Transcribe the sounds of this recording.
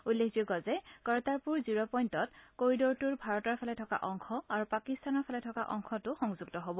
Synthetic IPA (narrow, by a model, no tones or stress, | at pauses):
ulːekzeɡɔzɛkɔɹtaɹpuɹzuɹɔpɔjntɔtkoɹidɔɹtuɹbʱaɹɔtɔɹpʰalɛtʰɔka̰ʔɔŋxʰɔaɹupakistanɔɹpʰalɛtʰɔka̰ʔɔŋxʰɔtʊxɔŋzuɡ̚tɔɦobɔ